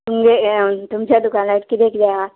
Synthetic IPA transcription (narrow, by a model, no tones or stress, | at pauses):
t̪ʊmɡet̪ʊmsad̪ʊkaːnlaɪʈ̚kid̪eːkʰd͡ʒaa